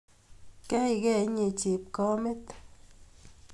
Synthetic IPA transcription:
ke˦jɡe˧˨ɲi˧˨t͡ʃi˨p̚ko˦mi˦t̪

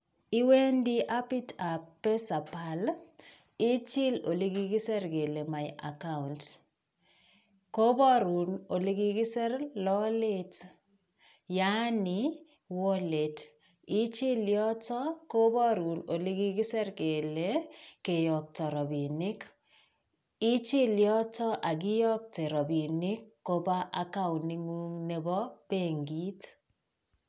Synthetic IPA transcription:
i˦we˦ndi˦ʔa˦pi˦tʰa˨ppːe˦sa˨pa˨l | i˦t͡ʃɪ˦lo̰˨li˦ɡi˦ɡi˦sɛ˦ɾɡe˨le˨ma˨jʔa̰˨ka˦unt | ko˦bɔ˦ɾu˨no˨li˦ɡi˦ɡɪ˦sɛ˦rlɔ˦le˦t | ja˦ni˨ | wɔ˦le˨t | ɪ˦t͡ʃɪ˦ljɔ˦tɔ˦ko˦bɔ˦ɾu˨no˨lɪ˦ɡɪ˦ɡɪ˦sɛ˦rke˨le˦ke˨jɔ˨k̚tɔ˨ɾɔ˨bi˨nɪ˦k | ɪ˦t͡ʃɪ˦ljɔ˦tɔ˦ʔa˨ɡɪ˦jɔ˦k̚te˨ɾɔ˨bi˨nɪ˦kːo˦ba˦ʔa˦ka˦˨wni˦ŋu˦ŋne˦bɔ˦pe˦˨ŋɡi˦t

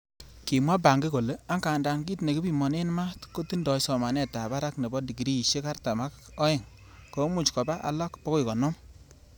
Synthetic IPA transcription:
ki˨mwa˦b̬a˨ŋɡi˦ko˨le˦a˦ŋkaː˨nda˨ŋɡi˦tne˨ki˦bi˦mɔ˨ne˦nma˦tko˦ti˦ndɔ˨sɔ˨ma˨nɛ˦ta˨ba˦ɾa˦kne˨bɔ˦di˨ki˨ɾi˦i˨ʃe˦ka˦rta˨ma˦k | ɔ˦ɪ˦˨ŋ | ko˨˦mu˦˨t͡ʃkɔ˨ba˦ʔa̰˨lɔ˦kpɔ˦ko˦i˨kɔ˨nɔ˦m

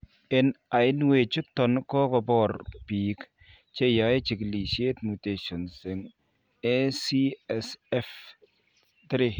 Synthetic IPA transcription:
ɪ˨na˨ɪ˦nwe˨t͡ʃʊ˦tːɔ˨nkɔ˦kɔ˨bɔ˦˨ɾpiː˨k | t͡ʃe˦ja˨˦e˦t͡ʃɪ˨kli˨ʃe˦tmu˨te˨ʃɔ˨nsɪ˨ŋ | ɛ˦si˦ɛ˨sɛ˦f | tɾɪ˨

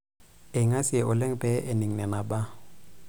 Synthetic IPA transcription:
e˨ŋa˦sʔʊ˨le˦ŋ̩˦pɛ˦ʔe˨ne˨ŋ̩˨nɛ˨na˨ba˦

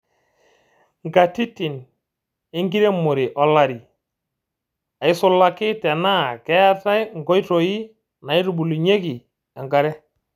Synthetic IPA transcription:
ŋɡa˨ti˦ti˨n | e˦ŋɡi˦ɾe˦mʊ˨ɾi˨ʔɔ˨la˨ɾi˨ | a˨ɪ˦sʊ˦lːa˦kɪ˦tɛ˨na˦˨kɛ˦a˦ta˦jŋɡɔ˦jtɔ˨i˦ | na˨i˦ɾu˨bu˨lu˨ɲe˦ki˨ | ɛ˨ŋɡa˨ɾɛ˦

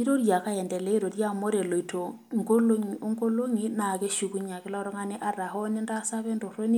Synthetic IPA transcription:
i˦ɾo˦ɾja˨ka˦jɛ˨ndɛ˨lɛ˦i˦ɾo˨ɾja˦mo˦ɾe˨lo˨i˨tʰo˨ | ŋɡo˦lo˦ŋ˨o˦ŋɡo˦lo˦ŋi˦na˨ke˦ʃu˨ku˦ɲa˨kɪ˦la˦ɾɔ˦ŋa˦ni˦ʔa˦ra˨ɦɔ˦ni˦nda˦sa˦βɛ˦ndo˨ɾo˦ni˦

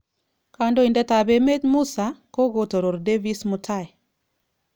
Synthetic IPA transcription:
ka˦ndo˦i˨ndɛ˦ta˨be˨me˦tmu˦sa˨ko˦ɡo˦to˨ɾo˨ɾde˦vi˦smʊ˨tʰa˦˨ɛ˨

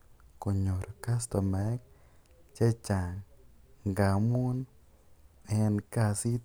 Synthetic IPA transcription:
ko˨ɲo˨ɾo˨ka˦st̪ɔ˨mɛ˨˦k̚ | t͡ʃe˦t͡ʃa˨ŋŋɡa˨mu˦n | ɛ˧nka˧si˦

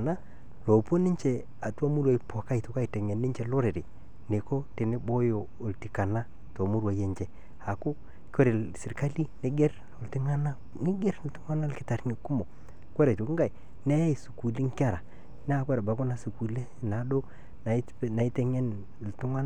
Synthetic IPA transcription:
na˦ | lo˨po˦ni˦ɲt͡ʃe˨ | a˨ta˦mu˦ɾwa˨i˦po˨ka˦i˨to˨ka˦i˨te˨ŋe˨nːi˦ɲt͡ʃe˨lo˦ɾe˨ɾe˨ | ne˨ko˦te˨ne˦bo˦jo˨ | o˨lti˨ka˨na˦ | to˨mu˦ɾwa˨je˨ɲd͡ʒe˨ | a˨ku˦ | kwe˦ɾe˨lsi˨ɾka˦li˦ne˦ɡe˦ɾ | o˨lti˦ŋa˦na˦ | ŋi˦ɡe˦ɾltu˦ŋa˦na˦lkɪ˦ta˨ɾŋi˨ku˦mo˨ | kwe˦ɾe˨to˨kɡa˦˨i˨ | ne˦ja˦i˨su˨ku˨li˦ŋ˦ka˦˨ɾa˨ | nː˦˨kwe˦ɾa˨ba˨˦ko˦na˨su˨ku˨le˦na˨˦do˦ | n˨˦ | na˨i˦te˦ŋe˦n˨ | ltu˦ŋa˦n˦

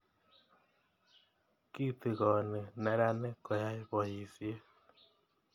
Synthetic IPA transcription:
ki˦t̪ɪ˨ɣɔ˨nɛ˨nɛ˨ɾa˦nɛ˦kɔ˨ja˦ɪ˦bɔ˨ji˨sje˦

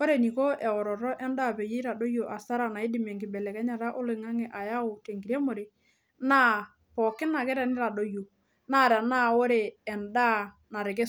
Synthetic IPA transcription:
o˦ɾe˨ni˨ko˦ʔɛ˨ɔ˨ɾɔ˨ɾɔ˦ʔɛ˦nda˦˨pe˨je˦ɾa˨do˦jo˨ʔa˨sa˦ɾa˨na˨ɪ˦dɪ˨mɛ˨ŋɡɪ˨bɛ˨lɛ˨kɛ˦ɲa˨ɾa˦ʔo˦lɪ˨ŋa˦ŋɛ˨ʔa˨ja˦ʊ˨te˨ŋɡi˨ɾɛ˦mo˨ɾe˨ | na˦ | pɔ˨kɪ˦na˨kɛ˦ɾɛ˨nɪ˦ɾa˨do˦jo˨ | naː˦˨ɾa˨naː˦o˦ɾe˨ɛ˨nda˦˨ | na˨ɾɪ˨k̬ɛ˦

